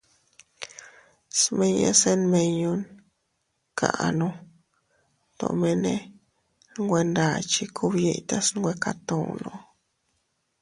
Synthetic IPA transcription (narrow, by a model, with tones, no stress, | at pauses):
sme˦ɲḛ˦se˦nme˧ɲu˧n | kʰa̰˨nu˧ | t̪o̰˨me˧ne˦ | ŋɡʷwʷe˧nd̪a˨t͡ʃi˧kʰu˦˧bje˧jt̪a˦sŋɡʷwe˧ka˧t̪o˨nʔu˧